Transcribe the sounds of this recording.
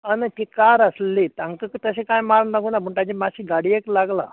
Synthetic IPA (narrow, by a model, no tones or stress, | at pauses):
aneʈikaɾəslit̪aŋkəkt̪əsikãjmaɾnnaɡunabʱuɳʈad͡ʑimaɕiɡaɽieklaɡla̰